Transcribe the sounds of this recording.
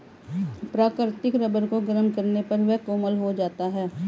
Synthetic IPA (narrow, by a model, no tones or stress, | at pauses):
pɾaːkɾt̪ɪkɾəbəɾkoɡəɾənkɐɾnepɐɾʋɛɦkoːməlɦod͡ʒaːt̪aɦɛː